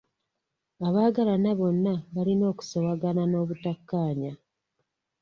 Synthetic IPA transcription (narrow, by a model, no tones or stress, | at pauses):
aβaːɡalanaβo̞nːaβalino̞ːku̥sowaɡanano̞ːβutakːaːɲa